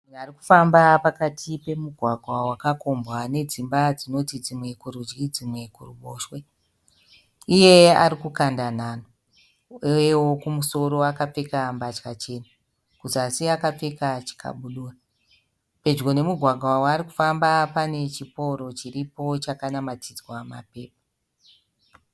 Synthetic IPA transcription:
uariku̥fambapakatʰipe̞muɡʱwaɡʱwawakako̞mbwane̞d͡zimbad͡zino̞tid͡zimwe̞kuɾud͡ʒɡid͡zimwe̞kuruɓoːʃwe̞ | ije̞a̰ɾikukandan̤aːno | eewo̞kumuso̞ɾo̞akap͡fe̞kambat͡ʃkat͡ʃe̞nu | kutasiakap͡fe̞kat͡ʃi̥kʰa̰ɓuɗuːra | pe̞d͡ʒɡo̞ne̞muɡʱwaɡʱwawɾiku̥fambapane̞t͡ʃipo̞ɾo̞t͡ʃiɾipo̞t͡ʃakanamatid͡zwama̰pe̞ːp̚ḁ

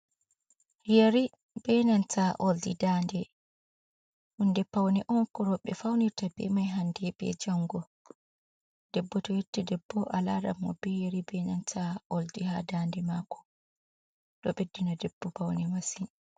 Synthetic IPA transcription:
jeɾi | b̥ɛnantʰaʔɔldidaːndɛ | hundɛpawnɛʔɔnkɔɾɔɓɛ̰fawniɾtabɛ̰majɦandɛbɛ̰d͡ʒaŋɡɔ | d̥ɛbːɔtɔjetːɛdɛbːɔʔalaɾamɔ̰bɛjaɾibɛnantʰaɔldihadaːndɛmakɔ̥ | ɗɔɓedːinadɛb̥ːɔpawnɛmasin

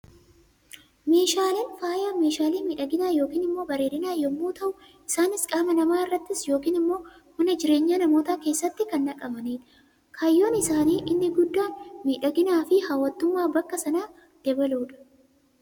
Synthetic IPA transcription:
me̞ːʃaːliːnfaːjaːme̞ːʃaːliːmiːᶑɐɡɪnaːjo̞ːkiːnɪmːo̞ːbɐɾe̞ːɾɪnaːjɔmːuːt̪ʰɐʔʊ | ʔɪsaːnɪskʼaːmɐnɐmaːɪrːɐt̪ːɪsjo̞ːkiːnɪmːo̞ː | mɐnɐd͡ʒɪɾe̞ːɲːaːnɐmo̞ːt̪aːke̞ːsːɐt̪ːɪkɐnːɐkʼɐbɐneːᶑɐ̥ | kʰɐjːo̞ːnɪsaːniːʔɪnːɪɡʊd̪ːaːnmiːᶑɐɡɪnaːfɪhaːwɐt̪ːʊmːaːbɐkːɐsɐnaː | d̪̥ɛbɐluːᶑɐ̥

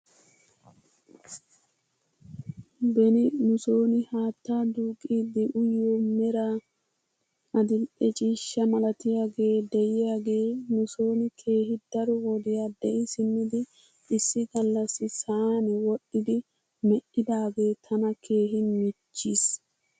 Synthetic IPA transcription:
bɛnɪnʊso̞ːnɪhaːt̪ːaːd̪uːkʼiːd̪ɪʔʊjːoːmɛɾaː | ʔɐd̪ɪlɛt͡ʃʼiːʃːɐmɐlɐt̪ɪjaːɡe̞ːd̪ɛjɪjaːɡe̞ːnʊso̞ːnɪkʰe̞ːɦɪd̪̥ɐɾɔwɔd̪ɪjad̪ɛʔɪsɪnːɪd̪ɪ | ʔːsːɪɡɐlːɐsːɪsaːnɪwɔʔɪd̪ɪ | mɛʔɪd̪aːɡe̞ːt̪ʰɐnɐkʰe̞ːɦɪmɪt͡ʃːiːs

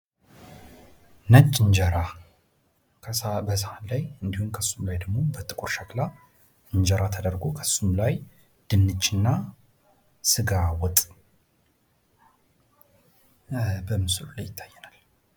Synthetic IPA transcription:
nət͡ʃʼːɨɲd͡ʒəɾa | kʰbəs̬əhalajɨnd̪ihumkʰəsːumlajd̪əɡmo̞bət̪ʼɨkʼuɾʃakla | ɨɲd͡ʒəɾʔat̪ʰəd̪əɾɡo̞kʰəsːumlaj | d̪̥ɨnːɨt͡ʃːɪnːa | sɨɡawɔt̪ʼ | bəmɨsɨlulajːɪt̪ʰːajːɛnal

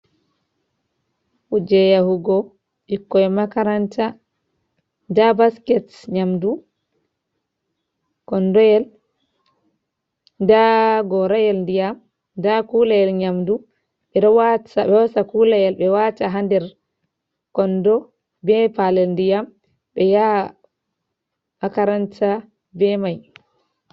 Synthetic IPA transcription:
ʔud͡ʒɛjahuɡɔ | ʔikːɔɛmakaɾanta | dabaskɛt | ɲamdu | kɔndɔjɛl | daɡɔɾajɛlndijam | dakulajɛlɲamdu | ɓɛdɔwatabɛwasakulajɛlbɛwataɦandɛɾ | kɔndɔ | bɛpalɛlndijam | bɛja | hakaɾanta | bɛmaj

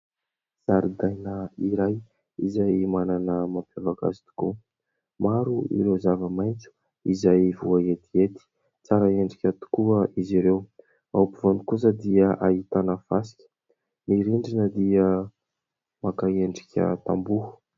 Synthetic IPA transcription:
z̥aɾid̪ajnəiɾaj | izajmananəmampolaɡa̰zi̥t̪u̥ku | maɾuḭɾewzavəmajnt͡su̥ | izajvuaet̪iet̪i̥ | t͡saɾəeɳɖ͡ʐikʲət̪u̥kuəʔiziɾew | awpivanukus̬əd̪iəʔait̪anəfasi̥kʲə̥ | miɾiɳɖ͡ʐinəd̪iə | makaeɳɖ͡ʐikʲə̰t̪a̰mbuhu̥

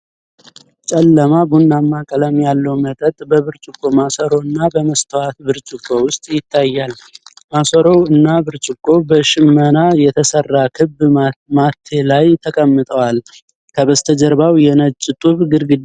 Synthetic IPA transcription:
t͡ʃʼɛlːəmabunːamːakʼələmjalːəwmət̪ʼət̪ʼbəβɨɾt͡ʃʼɪkʼːo̞masəɾo̞ɨnːabəməst̪ʰəwat̪bɨɾt͡ʃʼɪkʼːo̞wʊst̪ʼjɪt̪ʰːajːal | masəɾo̞wɨnːabɨɾt͡ʃʼɪkʼːo̞bəʃɪmːənajɛt̪ʰəsərːakʰɨbːmat̪ʰːe̞lajt̪ʰəkʼəmːɨt̪ʼəwal | kʰəβəst̪ʰəd͡ʒəɾbawjɛnət͡ʃʼːɪt̪ʼuβɡɨɾɡɨ

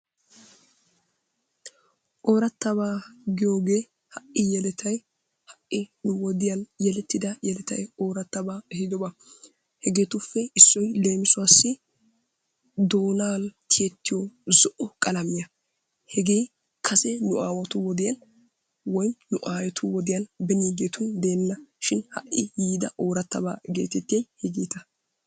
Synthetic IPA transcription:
ʔoːɾɐt̪ːɐbaːɡɪjo̞ːɡe̞ː | hɐʔɪjɛlɛt̪ʰɐj | hɐʔɪnʊwɔd̪ɪjɐnjɛlɛt̪ːɪd̪ɐjɛlɛt̪ɐjo̞ːɾɐt̪ːɐbaːɛhɪd̪ɔbɐ | hɛɡe̞ːt̪ʊfːɛɪsːɔjle̞ːmɪsʊaːsːɪ | d̪o̞ːnaːlt̪ʰɪjɛt̪ːɪjɔzɔʔɔkʼɐlɐmɪjɐ | hɛɡe̞j | kʰɐsɛnʊʔaːwɐt̪ʊwɔd̪ɪjɐn | wɔjmnʊʔaːjɛt̪ʰʊwɔd̪ɪjɐnbɛniːɡeːt̪ʊnd̪e̞ːnːɐʃɪnhɐ̰ʔʔɪjiːd̪ɐʔoːɾɐt̪ːɐ̰ba̰ːɡḛːt̪ɛt̪ːɪjɐjhɛɡiːt̪ɐ

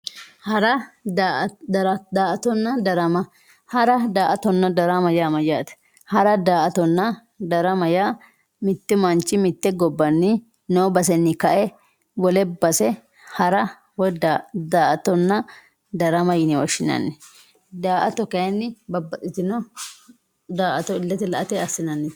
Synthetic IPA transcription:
hɐɾɐ | ɾɐd̪aːʔɐt̪ɔnːɐd̪ɐɾɐmɐ | hɐɾɐd̪aːʔɐt̪ɔnːɐd̪ɐɾɐmɐjaːmɐd͡ʒaːt̪ɛ̥ | hɐɾɐd̪aːʔɐt̪ɔnːɐ | d̪ɐɾɐmɐjaː | mɪt̪ːɪmɐnt͡ʃʼːɪmɪt̪ːɛɡɔbːɐnːɪ | noːbɐs̬ɛnːɪkɐʔɛ | wɔlɛbɐsɛ | hɐɾɐ | wɔd̪ad̪aːʔɐt̪ɔnːɐ | d̪ɐɾɐmɐjɪnɪwɔʃɪnɐ̰nːɪ | d̪aːʔɐt̪ɔkɐnːɪbɐbːɐt̪ʼɪt̪ɪnɔ | d̪aːʔɐt̪ɔɪlːɐt̪ːɪlɐʔɐt̪ɛɐsːɪnɐnːɪ

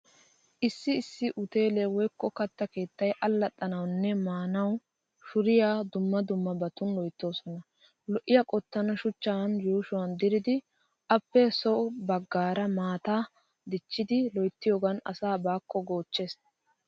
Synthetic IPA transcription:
ʔɪsːɪːsːɪʔʊt̪e̞ːlewɔjkːɔkɐt̪ːɐke̞ːt̪ːɐjʔɐlːɐt̪ʼːɐnɐwnːɛmaːnɐw | ʃʊɾɪjaːd̪ʊmːɐd̪ʊmːɐbɐt̪ʊnlɔjt̪ːo̞ːsɔnɐ | lɔʔɪjɐkʼɔt̪ːɐnɐʃʊt͡ʃːanjuːʃʊwɐnd̪ɪɾɪd̪ɪ | ʔɐpːɛsɔʔʊbɐɡːaːɾɐmaːt̪aː | d̪ɪt͡ʃːɪd̪ɪlɔjt̪ːɪjoːɡɐnɐ̰saːbaːkːɔɡoːt͡ʃːeːs

